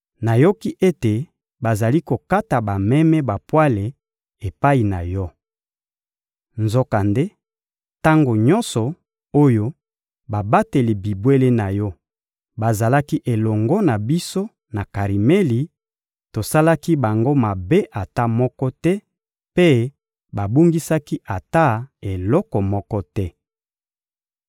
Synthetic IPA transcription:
na˨jo˦ki˦ʔe˦te˨ | ba˨za˨li˦ko˨ka˦ta˨ba˨mɛ˦mɛ˦ba˨pwa˦le˨ | e˨pa˦i˨na˨jɔ˦ | nzo˦ka˨nde˦ | ta˦ŋɡo˨ɲɔ˦nsɔ˨ | o˦jo˦ | ba˨ba˦te˨li˨bi˨bwe˦le˦na˨jɔ˦ | ba˨za˨la˦ki˦ʔe˨lɔ˨ŋɡɔ˦na˨bi˦so˦ | na˨ka˨ʁi˨me˦li˨ | to˨sa˦la˦ki˦ba˨ŋɡo˦ma˨be˦ʔa˨ta˦mɔ˦kɔ˦tɛ˦ | pe˦ | ba˨bu˦ŋɡi˦sa˦ki˦ʔa˨ta˦e˨lɔ˦kɔ˨mɔ˦kɔ˦tɛ˦

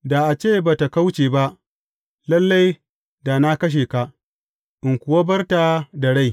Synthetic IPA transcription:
da˨ʔa˨t͡ʃeː˦baː˨ta˨ka˦wt͡ʃeː˨ba˦ʔ | lɐ˦lːa˦j | da˨na˦kɐ˦ʃ̬eː˨ka˨ʔ | ʔɪ˨ŋkʷʊ˨wa˦bɐ˦rtaː˨da˨ɽa˦˨j

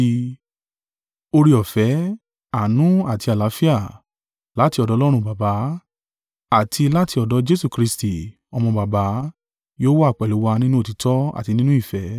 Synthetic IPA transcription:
o˧ɾi˧ɔ˨fɛ˨˦ | a˨nũ˨˦a˨ti˧a˨la˨˦fi˦a˦˨ | la˨˦ti˧ɔ˧dɔ˨˦lɔ˦ɾ̃ũ˧ba˨ba˨˦ | a˨tʰi˧la˦ti˧ɔ˨dɔ˨˦d͡ʒe˦su˦˨kɾi˧sti˨ | ɔ˧mɔ̃˧ba˨ba˨˦ | joː˦wɔ˦˨k͡pɛ˨lu˨˦wa˧nĩ˦nũ˦o˦ti˨˦tʰɔ˦a̰˨ti˧nĩ˦nũ˦i˦˨fɛ˨˦

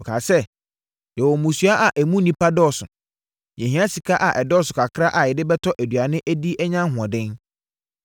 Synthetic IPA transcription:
ɔ˨kʰa˨sɛ˦ | jɛ˨wɔ˨mũ˨su˦a˦ʔa˨ʔæ˨mũ˦nĩ˦pʰa˦dɔ˦˨sʊ̰˨ | jɛ̃˨ɦĩ˦a˦si˨kʰa˦ʔa˨ʔɛ˨dɔ˦sʊ˨kʰa˨kʰɾa˦ʔa˨jɪ˨dɪ˦bɛ˦tʰɔ˦ʔæ˨dɥa˨nɪ̃˦ʔæ˦di˦ɛ˦ɲã˦ɦʊ˨ɔ̃˨dɪ̃˦n

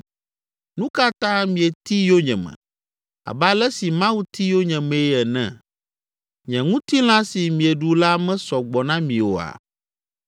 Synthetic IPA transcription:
nũ˦ka˦t̪ã˦mĩ˨ɛ˨t̪i˦jo˦ɲɛ̰̃˨mɛ̰̃˨ | a̰˨ba˦lɛ˦si˨mã˦wu˦t̪i˦jo˦ɲɛ̃˨mɛ̃˨˦ɛ˨nɛ̰̃˨ | ɲɛ̃˨ŋũ˦t̪i˦l̃ã˦si˨mĩ˨ɛ˨ɖu˨la˦mɛ̃˦sɔ˨ɡ͡bɔ˨nã˦mĩ˨wo̰˨a̰˨

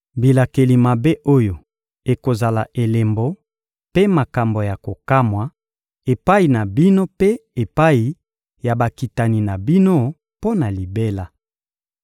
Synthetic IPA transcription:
bi˨la˨ke˨li˨ma˨be˦ʔo˦jo˨ | e˨ko˨za˨la˨ʔe˨le˨mbo˦ | pe˦ma˨ka˨mbo˨ja˨ko˨ka˦mwa˨ | e˨pa˦i˨na˨bi˦no˦pe˦e˨pa˦i˨ | ja˨ba˨ki˨ta˨ni˨na˨bi˦no˦ | po˦na˨li˨be˦la˨

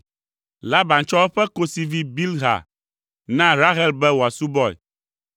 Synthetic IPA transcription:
la˦ba˨nt͡ʃɔ˦ɛ˦ɸɛ˦ko˦si˨vi˦bi˦lɦa̰˨ | nã˦ɾa˦ɦɛ˦lbɛ˦wo˨a˨su˦bɔ˦ɛ̰˨

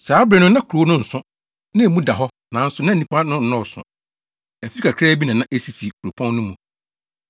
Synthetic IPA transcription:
saː˨˦bɾɛ˨nʊ̃˦nã˦kʰu˨ɾo˨˦nʊ̃˦n̩˨sʊ̃˦ | nã˦e˨mũ˦da˨ɦɔ˦ | nã˨˦n̩˦sʊ˨˦nã˦n˨ĩ˦pa˦nʊ̃˦n̩˨nɔ̃˦˨sʊ̰̃˨ | æ˨fi˦kʰa˨kʰɾɛː˦bi˦nã˨nã˦ʔe˦si˨si˨kʰu˨ɾo˨pʰɔ̃˦nːʊ̃˦mũ˨

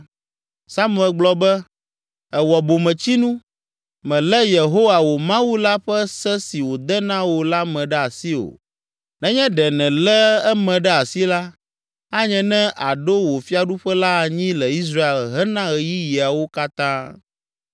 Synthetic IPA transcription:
sa˦mũ˦˨ɛ˨lɡ͡blɔ˦bɛ˦ | ɛ˨wɔ˨bo˨mɛ̃˨t͡ɕi˦nũ˦ | mɛ̃˨lɛ˦je˨ɦo˦wa˨wo˨mã˦wu˦la˦ɸɛ˦sɛ˦si˨wo˨d̪ɛ˦nã˦wo˨la˦mɛ̃˨ɖɛ˦a˨si˦o̰˨ | nɛ̃˦ɲɛ̃˦ɖɛ˨nɛ̃˨lɛ˦ɛ˦mɛ̃˨ɖɛ˦a˨si˦la˦ | a˦ɲɛ̃˨nɛ̃˦ʔa˨ɖo˦wo˨fi˦a˨ɖu˦ɸɛ˦la˦˨ɲĩ˦lɛ˨i˦s̬ɾa˦e˨lɦɛ˦nã˦ɣɛ˨ji˦ji˨a˨wo˦ka˦t̪ã˦

